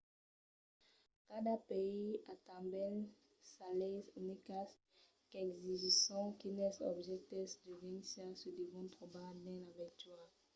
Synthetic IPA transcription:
kad̪apeiat̪ãbɛl | salɛzynikas | kɛɡziʒisɔ̃kinɛsɔ̰bʒɛk̚t̪ɛsd̪əvinsasəd̪evɔ̃t̪χɔbad̪ɛ̃lavɛt̪ɥaʁ

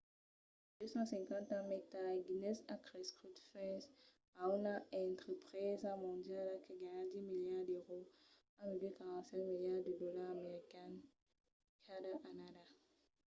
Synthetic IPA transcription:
d̪øsɑ̃sɛ̃ŋkɑ̃t̪ãmɛk̚t̪aʁɡinɛsakʁeskʁit̪fɛ̃s | aunaɛ̃t̪χəpχezamɔ̃d̪jalakəɡaɲãd̪imiljaʁd̪øʁo | amilikaʁɑ̃tsɛ̃tmiljaʁd̪ədɔlaʁameʁikɛn | kʰadaʔanada

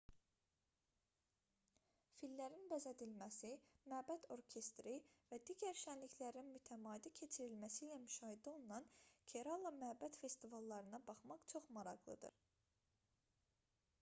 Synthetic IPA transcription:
filːæɾinbæzæd̪ilmæsimæbæd̪ʰo̞ɾcʰe̞st̪ɾivæd̪iːɟæɾʃænliçlæɾinmyt̪ʰæmɑːid̪icʰe̞t͡ʃʰiɾilmæsiːlæmyʃɑːɦid̪io̞lˠunɑncʰeɾɑlˠːɑmyæbæt̪fe̞st̪ivɑlˠːɑɾɯnɑbɑχmɑχt͡ʃʰo̞χmɑɾɑʁlˠɯ̰d̪ɯ̰ɾ

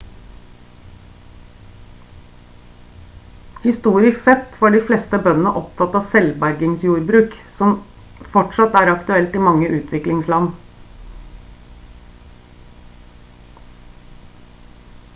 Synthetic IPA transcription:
hɪst̪uːɾɪsksɛt̪fɔɖiflɛst̪əbœnənəʔɔpt̪ʰɑt̪ːɑːsɛlbæɾɡɪŋsjuːɾbɾʉːksɔm | fɔʈʂɑt̪æːɾɑkt̪ʉɛlt̪ɪmɑŋːəʔʉːt̪ʰʋɪklɪŋslɑn

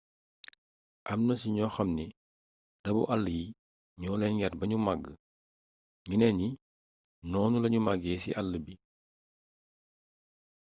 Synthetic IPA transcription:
ʔɐmnɐsiɲɔːxɐmni | d̥ɐbṵʔalːəji | ɲɔːlɛnjɛrbɐɲumaɡːə | ɲinɛɲi | nɔːnulɐɲumaɡɛːsḭʔalːəbi

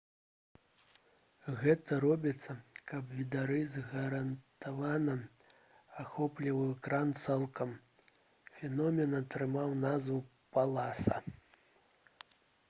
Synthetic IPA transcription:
ɣɛt̪ɐɾɔbʲit̪sːɐkɐbvʲid̪aɾɨzɣɐɾɐnt̪avanɐ | axɔplʲivɨwkɾant̪sɛlˠkɐm | fʲɛnɔmʲɛnɐt̪ɾɨmawnazvɨ | palˠasɐ̰

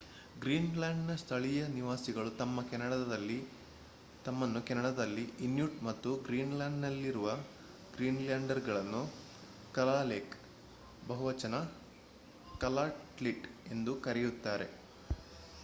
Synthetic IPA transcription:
ɡɾiːnlaːɳɖnɐst̪ʰɐɭijɐniʋaːsiɡɐɭut̪ɐmːɐkɛnɐɽɐd̪ɐd̪ɐlːi | t̪ɐmːɐnːukɛnɐɽɐd̪ɐlːiinjuʈmɐt̪ːuɡɾiːnlaːɳɖnɐlːiɾuʋɐ | ɡɾiːnljaːɳɖɐɾɡɐɭɐnːu | kɐlaːleːk | bɐɦuʋɐt͡ʃɐnɐ | kɐlaːʈliʈe̞nd̪ukɐɾijut̪ːaːɾe̞̰

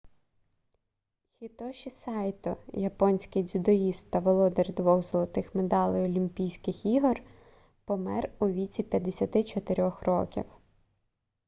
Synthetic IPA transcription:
xʲit̪ɔʃisɑjt̪ɔjɐpɔnʲsʲkɪjd͡zʲʊd̪ɔjist̪ːɐʋɔlˠɔd̪erʲd̪ʋɔɣzɔlˠɐt̪ɪxmed̪ɑlˠɪjɔlʲimʲpʲijsʲkɪxiɦɔr | pɔmɛ̰ruʋʲit͡sʲipʲjɐd̪esʲɐt̪ɪt͡ʃɔt̪eɾʲɔxrɔ̰kʲḭw

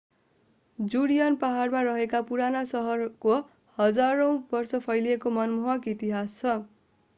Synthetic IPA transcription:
d͡zuɽijʌnpaɦarmaɾʌɦekapuɾanasʌɦʌrko | hʌd͡zaɾʌ̃w̃bʌrsʌpʰʌjliekomʌnmoɦʌkit̪iɦast͡sʰʌ

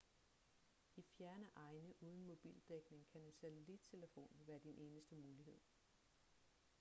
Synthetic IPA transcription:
ifjæɐnəʔɑ̈ɪnəʔuːð̞ˠn̩mo̝b̥ḭːld̥eɡ̥ne̝ŋkʰænensæt͡sʰelid̥̚t͡sʰe̝ləfo̝̰ːnʋæɐd̥inʔe̝ːnəsd̥əmuːliɦe̝ð̞̰ˠ

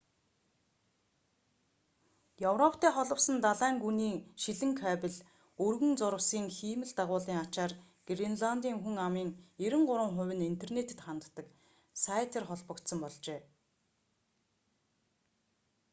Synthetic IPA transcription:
jɵwrɔpʰt̪ʰæːχɔɮɞ̆wsə̆nt̪aɮæːŋɡuniːʃiɮɘ̆ŋkʰæːpɪ̆ɮ | ɵrɣɘ̆nt͡sʊɾə̆wsiːŋxiːmɘ̆ɮt̪aʁʊːɮiːŋat͡ɕaːr | ɡ̥rinɮant̪iːŋxuŋamiːŋeɾɘ̆ŋɢʊɾə̆ŋχʊ̟wʲɘ̆nint̪ʰernet̪ɘ̆t̪χant̪ːə̆k | saːt̪ʰĕrχɔɮpə̆kt̪sə̆mpɔɮt͡ɕeː

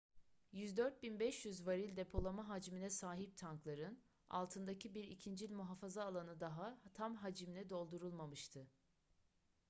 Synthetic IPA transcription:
jyzd̪øɾt̪̚binbɛʃjyzvaɾilʲd̪e̞pʰo̞lˠamaɦad͡ʒminɛsaːɦip̚t̪ʰaŋklˠaɾɯn | a̰lˠt̪ʰɯnd̪acʰibiɾicʰind͡ʒilʲmuɦafazaːlˠanɯd̪aɦat̪ʰamɦad͡ʒiminʲɛd̪o̞lˠd̪uɾulˠmamɯʃt̪ʰɯ

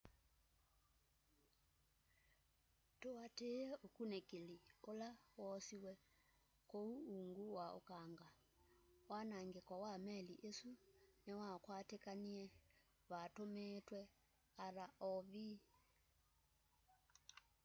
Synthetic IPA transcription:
tuwateɛokunekeliolawɔsiwɛ | kouːŋɡuwao̰kaŋɡa | wanaŋɡekwawamɛliʔesunɛwakwatekaniɛ | βatometwɛ | aɾaʔɔβi

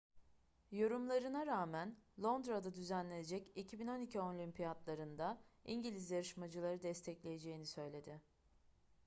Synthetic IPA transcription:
jo̞ɾumlˠaɾɯnaɾaːmænlˠo̞nd̪ɾad̪ad̪yzænlʲeje̞d͡ʒɛcicʰibino̞nicʰio̞lʲimpʰijat̪lˠaɾɯnd̪aiɲɟilʲizjaɾɯʃmad͡ʒɯlˠaɾɯd̪ɛst̪ʰɛclʲe̞jed͡ʒe̞jinisø̞jlʲe̞d̪ɪ

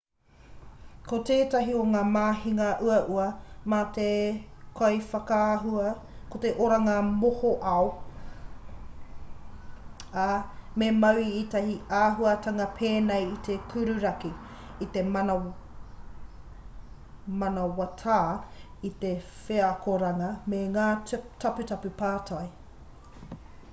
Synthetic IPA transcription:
koteːtɐɦioŋaːmaːhiŋɐʔuɐʔuɐmaːt̪ekʰojfɐkaɦuɐ | kot̪eʔoɾaŋamohoʔɐo | amemɐwiitɐhiaːɦuɐtʰɐŋɐpʰeːnejit̪ʰekʰʉɾʉɾɐkiː | t̪emɐnɐ | mɐnɐwɐtʰaːit̪efeɐkoɾɐŋɐmeŋaːtɐpʉtɐpʉpaːtʰɐj

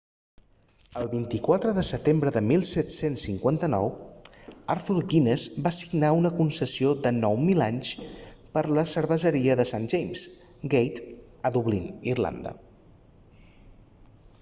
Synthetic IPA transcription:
əlˠβint̪ikwat̪ɾəðəsət̪embɾəðəmilˠsɛt̪sensːiŋkwant̪ənɔ̰w | aɾt̪ulɡinezbasiɡnaunəkunsəsioðənɔwmilaɲspəɾləsəɾβəzəɾiəðəsanʒejmz | ɡejt̪ | əðuβlinirla̰nd̪ə̰

